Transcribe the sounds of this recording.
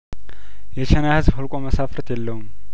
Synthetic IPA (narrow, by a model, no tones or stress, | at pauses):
jɛt͡ʃʰɛnahɨzbhulkʼoməsafɾt̪ʰjɛlːəhum